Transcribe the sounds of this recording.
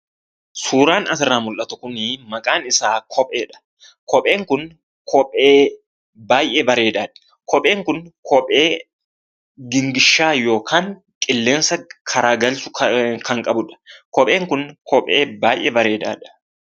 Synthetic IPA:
suːɾaːnɐsɪrːaːmʊlʔɐt̪ʊkʊnɪmɐkʼaːnɪsaːkʰɔpʼeːᶑɐ̥ | kɔpʼe̞ːŋkʊn | kʰɔpʼeː | baːjʔɛbɐɾe̞ːd̪aːᶑɐ̥ | kɔpʼe̞ːŋkʊnkʰɔpʼe̞ː | ɡɪŋɡɪʃːaːjo̞ːkʰaːŋ | kʼɪlːeːnsɐkʰɐɾaːɡɐlsʊ̥kʰɐŋkʼɐbʊᶑɐ̥kɔpʼe̞ːŋkʊnkʰɔpʼeːbaːjʔɛbɐɾe̞ːd̪a̰ːᶑɐ̥

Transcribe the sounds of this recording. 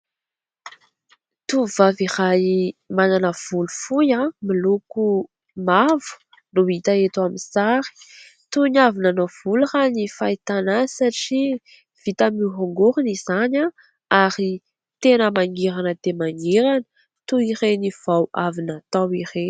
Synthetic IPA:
t̪uvaviɾajmananəv̥ulufujamiluku | mavu̥ | nuit̪aet̪amisaɾi̥ | t̪unavinanov̥uluranifait̪anasaʈ͡ʂi | v̥it̪amiɦaŋɡuɾunizaɲa | aɾi | t̪enəmaŋɡiɾanəd̪̥emaŋɡiɾanə̥ | t̪uiɾeniv̥awavinat̪awiɾe

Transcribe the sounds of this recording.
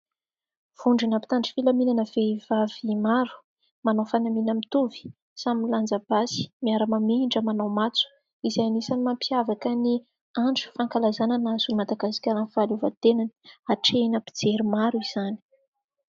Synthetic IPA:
v̥uɳɖ͡ʐinapi̥t̪aɳɖ͡ʐi̥filaminanəv̥eivavimaɾu̥ | manawfanaminəmit̪uvi̥ | samiland͡zab̥asi̥miaɾəmamiɳɖ͡ʐəmanawmat͡su̥ | izajanisanimampiavakəni | aɳʈ͡ʂu̥faŋkalazananazulimad̪aɡasi̥kʲalanv̥aluvat̪enanaʈ͡ʂenapi̥d͡zeɾimaɾuiz̥ani̥

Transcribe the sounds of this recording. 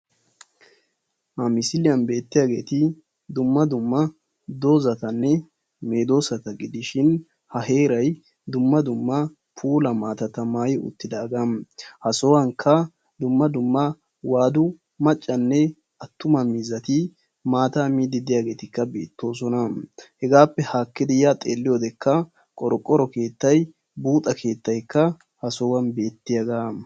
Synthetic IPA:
hɐmɪsɪlɪjɐnbe̞ːt̪ːɪjaːɡe̞ːt̪ɪ | d̪ʊmːɐd̪ʊmːɐ | d̪o̞ːzɐt̪ɐnːɛ | me̞ːd̪o̞ːsɐt̪ɐɡɪd̪ɪʃɪn | hɐhe̞ːɾɐj | d̪ʊmːɐd̪ʊmːɐ | pʰuːlɐmaːt̪ɐt̪ɐmaːjɪʊ̰t̪ːɪd̪aːɡɐmhɐsɔwɐŋkʰːɐ | d̪ʊmːɐd̪ʊmːɐ | waːd̪ʊ | mɐt͡ʃʼːɐnːɛ | ɐt̪ːʊmɐmiːzːɐt̪ɪ | maːt̪aːmiːd̪ɪd̪ɪjaːɡe̞ːt̪ɪkːɐbe̞ːt̪ːo̞ːs̬ɔnɐhɛɡaːpːɛhaːkːɪd̪ɪjat̪ʼeːlːɪjod̪ɛkːɐ | kʼɔɾɔkʼːɔɾɔke̞ːt̪ːɐj | buːt̪ʼɐkʰe̞ːt̪ːɐjkːɐ | hɐsɔwɐnbe̞ːt̪ːɪjɐɡaː

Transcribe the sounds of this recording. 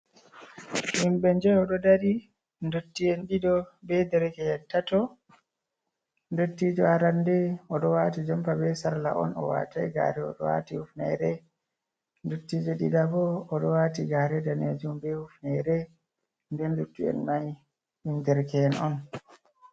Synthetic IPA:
ʔimbɛnd͡ʒɛɔɗɔdaɾi | ndotːiɛnɗidɔbɛdɛɾkɛɛntatɔ | ndotːid͡ʒɔaɾandɛɔɗɔwatid͡ʒɔmpabɛsaɾla̰ʔɔ̰nɔ̰wa̰tajɡa̰ːɾɛɔ̰ɗɔwa̰tiufnɛ̰ɾɛ | ndotːiːd͡ʒɔɗḭdabɔːɗɔwaːtiɡaɾɛdaned͡ʒumbɛhufnɛɾɛ | ndɛndutːiɛ̰nmaj | indɛɾkɛɛnɔn

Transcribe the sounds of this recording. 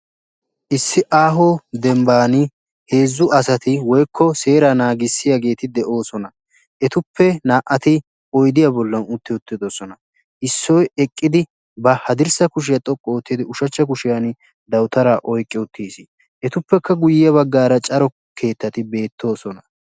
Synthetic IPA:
ʔɪsːɪʔaːɦod̪ɛmbaːnɪ | he̞ːzːʊʔɐsɐt̪ɪwɔjkʰːɔse̞ːɾɐnaːɡɪsːɪjaɡe̞ːt̪ɪd̪ɛʔo̞ːsɔnɐ | ʔɛt̪ʊpʰːɛnaːʔɐt̪ɪ | ɔjd̪ɪjabɔlːɐnʊt̪ːɪʊt̪ːɪd̪osɔnɐ | ʔɪsːɔjɛkʼːɪd̪ɪ | bɐhɐd̪ɪɾsɐkʊʃ̬ɪjɐt̪ʼɔkʼːɔːt̪ːɪd̪ɪʊʃɐt͡ʃːɐk̬ʊʃɪjanɪ | d̪ɐwt̪ɐɾaːʔɔjkʼːɪʊt̪ʰːiːsɪ | ʔɛt̪ʊpːɛkːɐɡʊjɪjɐbɐɡːaːɾɐt͡ʃʼɐɾɔ | kʰe̞ːt̪ːɐt̪ɪbe̞ːt̪ʰːo̞ːsɔnɐ

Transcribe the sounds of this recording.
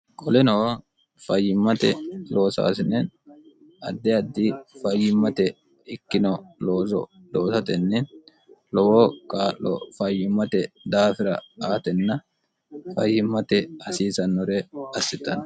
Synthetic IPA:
kʼɔlɛno | fɐjːɪmːɐt̪ɛ̰lo̞ːsa̰ːsɪnɛn | ɐ̰d̪ːɛɐd̪ːɪfɐjːɪmːɐt̪ɛ | ɪkːɪnɔloːzɔ̰ | loːsɐt̪ɛnːɛn | lɔwokʼaːʔːɔ̰fɐjːɪmːɐt̪ɛd̪aːfɪɾɐ̰aːt̪ɛnːɐ | fɐjːɪmːɐt̪ɛɐsiːsɐnːɔɾɛɐsːɪt̪ːɐn

